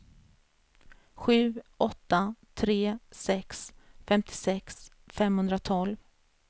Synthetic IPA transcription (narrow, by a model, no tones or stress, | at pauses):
ɧʉ̟ːʔɔt̪ːat̪ʰɾeːsɛksfɛmt̪ʰɪ̥sɛks | fɛmhɵnd̪ɾat̪ʰɔlv